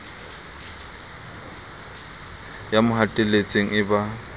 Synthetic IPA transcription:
jamʊɦatʼɪlet͡sʼeŋ̩ɪba

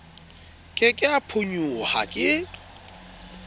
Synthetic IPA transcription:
kʼɪkʼɪapʰʊɲuha̰kʼɪ

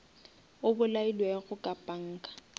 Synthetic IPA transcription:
ʊbʊlailweɣʊkʼapʼaŋ̩ːkʼḁ

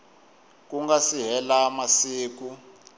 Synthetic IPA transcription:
k̬ʼuŋɡasiɦɛlamasiːk̬u

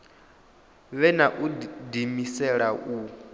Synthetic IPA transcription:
βɛnaʔudimisɛɺaʔu

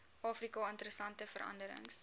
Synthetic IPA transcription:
ʔɑːfrikɑəntəɾəsɐntəfəɾɐ̰ndəɾə̰ŋs

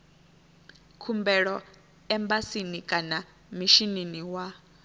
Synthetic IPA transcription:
kʰumbɛɺɔ | ɛmbasinikʼana | miʃininiwa

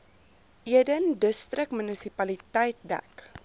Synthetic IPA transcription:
ʔiədəndəstrəkmənəsipɐlitəjt̚dæ̰k

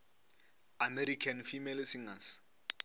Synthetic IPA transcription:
ameɾikʰanfimelsiŋas

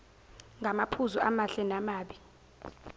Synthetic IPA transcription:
ŋɡʱamapʰuzuamaɬɛnamaːɓi

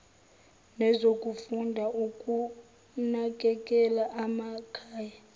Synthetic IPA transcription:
nɛzokʼufundʱaʔukʼu | nak̬ʼɛkʼɛlaʔamakʰaːja

